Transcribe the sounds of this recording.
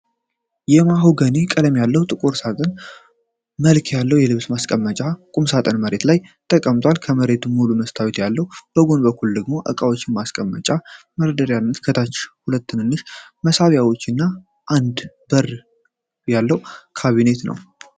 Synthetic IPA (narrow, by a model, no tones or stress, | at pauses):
jɛmaɦoɡəne̞kʼələmjalːəwt̪ʼɨkʼuɾsat̪ʼən | məlkʰjalːəwjɛlɨβsmaskʼəmːət͡ʃʼakʼumsat̪ʼənməɾe̞t̪lajt̪ʰʼəkʼːəmt̪ʰʼwalkʰəməɾe̞t̪ʰumːuluməst̪ʰawit̪jalːəhub̥əɡo̞nbəkːuld̪əɡmo̞ʔə̰kʼawot͡ʃːɪnmaskʼəmːət͡ʃʼa | məɾəd̪əɾjanːət̪kʰət̪ʰat͡ʃːhulət̪ːɨnɨnːɨʃməsaβjawo̞t͡ʃːɨnːa | ʔand̪ | bər | jalːəwkʰaβine̞t̪nə̰w